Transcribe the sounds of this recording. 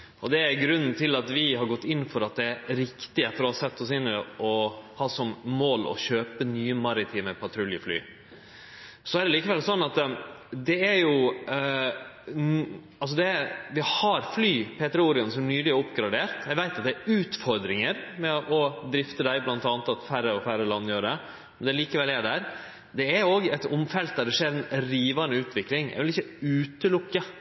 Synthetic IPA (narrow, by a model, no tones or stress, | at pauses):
ʔɔd̪ɛæɾɡɾʉnːn̩t̪ʰɪlːɑt̪ʋɪɦɑɾɡɔt̪ːɪnːfɔɾɑt̪̚d̪ɛæɾɾɪkt̪ɪəfɔɾɔhɑsɛt̪ːɔsɪnəɾʔɔhɑːsɔmmoːlɔ̰ɕøːpənyːəmɑɾɪt̪ʰiːməpʰɑt̪ʰɾʉljəfly̰ː | sɔæɾɖ̪ɛliːkəʋɛlsɔnːɑt̪d̪ɛæɾjʊ | ɑls̬ɔd̪ɛɾʋɪhɑɾflyːpʰeːt̪əɾəʊːɾɪɑnsɔmænyːlɪʊpɡɾɑd̪eːɾt̪jæɡʋæɪt̪ɑt̪̚d̪ɛæɾʉːt̪fɔɾd̪ɾɪŋəɾmɛʔɔd̪ɾɪft̪əd̪æɪblɑnt̪ɑːnət̪ɑt̪færːəɔfæɾəlɑnːjøːɾəd̪ɛ | mɛnd̪ɛliːkəʋɛlæɖ̪æɾ | d̪ɛæɾjoːɡɛt̪ʊmfɛlt̪̚d̪æɖ̪ɛʂeːɾɛnɾiːʋɑnəʉːt̪ʋɪklɪŋʔæ̰ɪʋɪlɪçːəʉːt̪əlʊkːə